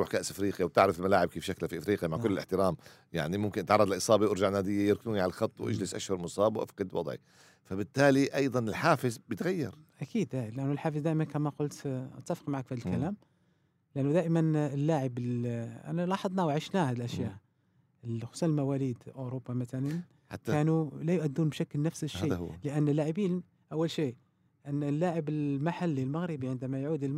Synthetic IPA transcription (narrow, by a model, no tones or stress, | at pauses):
uːħkaʔsʔɪfɾiːqjawt̪ɪʕɾəflmalaːʕɪb̚kiːfʃaklafiʔfɾiːqjamaʕkʊlːəlʔɪ̰ħt̪ɪɾaːm | ja̰ʕnimʊmkɪnʔət̪ʕɑɾˤɑd̪ˤlʔɨsˤɑːbiʔʊɾʒaʕnæːd̪ɪjːajɪɾk̪uːniʕalalxɑt̪ˤːwʔa̰d͡ʒlɪsʔa̰ʃhʊɾˤmʊsˤɑːbwʔa̰fqɑd̪wɑ̰d̪ˤʕḭ | fabɪt̪ːaːliʔɑjd̪ˤɑnɪlħaːfɪzbjət̪ɣajːɑ̰ɾˤʔækiːd̪hælʔænːʊlħaːfəzd̪æːʔɪmænkæmæqʊlt̪ʔæt̪ːæfə̥qmaʕakfihæd̪lkælæm | ləʔænːud̪æʔəmənəlːaʕəbəlʔnːælɑħɑd̪ˤnæwʕəʃnæhæd̪əlʔæʃjaʔ | əlxʊ̥sunəlmæwælid̪ʔoɾobːamæt̪ælən | ħkænulæjʊʔæd̪ːunbʃækːəlnæfsəʃiləʔænːlːaʕəbil | ʔæwːəlʃi | ʔænːlːaʕəbəlmaħalːilmaɣɾəbiʕənd̪æmæjʕuːd̪lm